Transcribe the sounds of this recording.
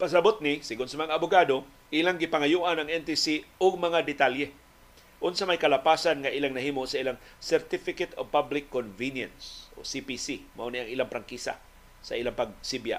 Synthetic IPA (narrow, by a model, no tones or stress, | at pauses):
pɐs̬ɐbot̪̚nɪsɪɡʊnsɐmɐŋaːbʊɡaːd̪o | ʔilaŋɡɪpɐŋajuʔanɐŋʔɛnt̪isiʊɡ̚mɐŋad̪ɪt̪aljɛ | ʔʊnsamajkɐlapaːsanŋaʔilaŋnɐhiːmoʔsɐʔilaŋsɛɾt̪ɪfɪkɛt̪ob̚pablɪkːonvinja̰nsʔo̰sipisimaʔoniaŋʔiːlaŋpɾaŋkisa̰ | sɐ̰ʔilaŋpɐɡ̚sibja̰